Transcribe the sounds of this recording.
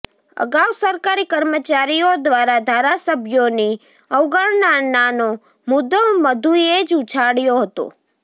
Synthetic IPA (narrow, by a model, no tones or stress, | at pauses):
ə̰ɡawsəɾkaɾikəɾmət͡ʃaɾijod̪ʋaɾad̪ʱaɾasəbʱjoni | əʋɡəɭnanano | mʊd̪oməd̪ʱued͡ʒut͡ʃʰaɽjoɦət̪o̰